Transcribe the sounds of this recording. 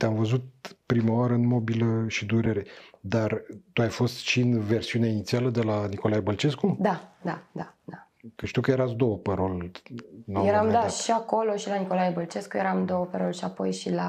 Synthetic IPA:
t̪eamvəzut̪̚pɾimaaɾəɨnmo̞biləʃid̪uɾeɾe̞d̪art̪uajfo̞st̪ʃiɨnve̞rsiuneinit̪sialəd̪e̞laniko̞lajebəlt͡ʃe̞skud̪ad̪ad̪ad̪a | kəʃt̪iuwkəje̞ɾat̪sd̪o̞wəpəɾo̞lʲ | nojeɾamd̪aʃiako̞lo̞ʃilaniko̞lajebəlt͡ʃe̞skujeɾamd̪o̞wəpəɾolʲʃiapo̞jʃila

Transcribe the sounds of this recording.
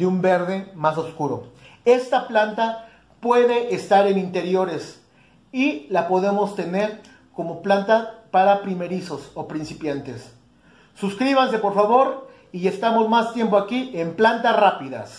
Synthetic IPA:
d̪eumbe̞ɾðe̞mas̬oskuɾo̞̰ | e̞st̪aplant̪a | pwe̞ðe̞ʔest̪aɾe̞nint̪e̞ɾjo̞ɾe̞s | ilapo̞ðe̞mo̞st̪e̞ne̞ɾ | ko̞mo̞plant̪apaɾapɾime̞ɾiso̞sopɾinsipjant̪e̞sː | uskɾiβans̬e̞po̞ɾfaβo̞ɾ | ie̞st̪amo̞zmast̪je̞mpoakiemplant̪asrapiða̰s

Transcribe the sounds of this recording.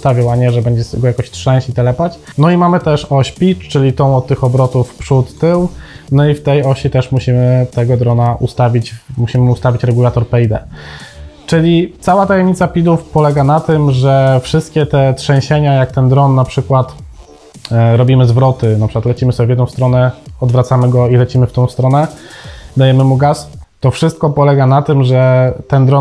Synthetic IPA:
st̪avʲɔ̃waɲɛʐɛbɛɲd͡ʑɛst̪ɛɡɔjakɔɕtʂɛ̃w̃ɕit̪ɛlɛpat͡ɕnɔimamɘt̪ɛʂɔɕpʲit͡ʂt͡ʂɘlʲit̪ɔ̃w̃ɔt̪̚t̪ːɘxɔbɾɔt̪ufpʂut̪ːɘwnɔift̪ɛjɔɕit̪ɛʂmuɕimɘt̪ɛɡɔd̪ɾɔnaʔust̪avʲit͡ɕmuɕimɘust̪avʲit͡ɕɾɛɡulat̪ɔɾpɛjd̪ɛ̰ | t͡ʂɘlʲit̪sawat̪ajɛmɲit̪sapʲid̪ufpɔlɛɡanat̪ɘmʐɛfʂɘst̪kʲɛt̪ɛtʂɛ̃w̃ɕeɲajak̚t̪ɛnd̪ɾɔnːapʂɘkwat̪ | ɾɔbʲimɘzvɾɔt̪ɘnapʂɘ̥kwat̪lɛt͡ɕimɘsɔbʲɛvʲjɛd̪ñw̃st̪ɾɔnɛɔd̪vɾat̪samɘɡɔilɛt͡ɕimɘft̪ɔ̃w̃st̪ɾɔnɛ | d̪ajɛmɘmuɡast̪ɔfʂɘst̪̚kɔpɔlɛɡanat̪ɘmʐɛt̪ɛnd̪ɾɔ

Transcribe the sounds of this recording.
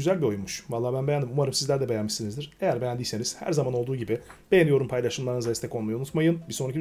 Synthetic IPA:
yzælʲbio̞junmuʃvalˠːaːbænbe̞jænd̪imumaɾɯmsizlʲæɾd̪ɛbe̞jænmiʃsinizd̪iɾ̥ejæɾbejænd̪ijse̞niz̥hæ̰ɾzamano̞lˠd̪uːɟibɪb̥e̞jenijo̞ɾumpʰajlˠaʃɯnlˠaɾɯnɯzaist̪ɛkʰo̞lmajunut̪majɯnbiso̞nɾicʰi

